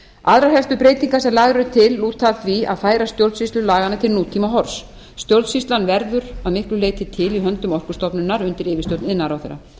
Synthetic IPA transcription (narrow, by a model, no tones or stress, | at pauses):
aðɾaɦɛl̥t̪ʏpɾeːjt̪iŋkasɛmlaːɣɾʏɾʏt̪ʰɪlːuːt̪ʰːaθvia̰ðfaːjɾast̪jowlsist̪lʏlaːɣanːat̪ʰɪlnuːt̪ʰimaɦɔɾ̥s | st̪jowlsist̪lanvɛɾðʏɾaðmɪhklʏleːjt̪ɪt̪ʰɪliɦœnt̪ʏmɔr̥kʏ̥st̪ɔpnʏnaɾʏnt̪ɪɾɪːvɪst̪owt̪nɪnːaɾawθɛrːa̰